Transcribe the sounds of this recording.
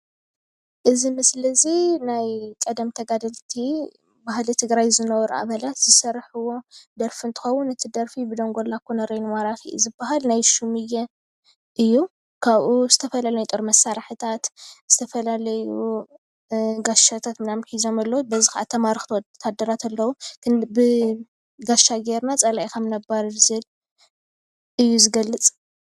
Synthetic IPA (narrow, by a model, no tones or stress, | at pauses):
ʔɨzimɨslɐzinajkʼɐd̪ɐmt̪ʰɐɡad̪ɐlt̪ʰi | bahlit̪ʰɨɡɾajzɨnɐwɔɾʔa̰βɐlat̪z̥ɨsɐɾħuwo̞d̪ɐɾfɨnt̪ʰɨ̥xɐwːunɨt̪ʰid̪ɐɾfibɨd̪oŋɡo̞lːakːunɐɾɐjnɨwaɾaxiʔzɨbːahalnajʃumɨjɛ | ʔɨjːu | kʰaβʔuzɨt̪ʰɐfɐlalɐjut̪ʼɨɾmɐsːaɾħɨt̪ʰat̪z̥ɨt̪ʰɐfɐlalɐju | ɡaʃat̪ʰat̪mɨnamħizo̞malːɐwbɐzixaʔat̪ʰːɐmaɾɨxt̪ʰwt̪ʰːad̪ːɐɾat̪ʰɐlːɐwukʰbɨ | ɡaʃaɡeɾnat͡sʼɐlajkʰɐmnɐbaɾzɨl | ɨjːuzɨɡɐlːɨt͡sʼ